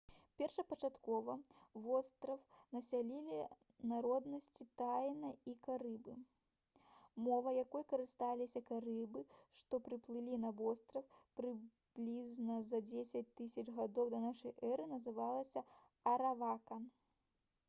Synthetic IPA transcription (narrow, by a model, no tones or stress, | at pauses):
pʲɛrʂɐpɐt͡ʂat̪kɔvɐvɔst̪ɾɐfnɐsʲalʲilʲi | naɾɔd̪nɐsʲt͡sʲit̪ajnɐikaɾɨbɨ | mɔvɐjakɔjkɐɾɨst̪alʲisʲɐkaɾɨbɨʂt̪ɔpɾɨplˠɨlʲinɐvɔst̪ɾɐfpɾɨ | b̥lʲiznɐzɐd͡zʲesʲɐt͡sʲt̪ɨsʲɐt͡ʂɣad̪ɔwd̪ɐnaʂɐjʔɛɾɨnɐzɨvalˠɐsʲɐ | ɐɾavakɐn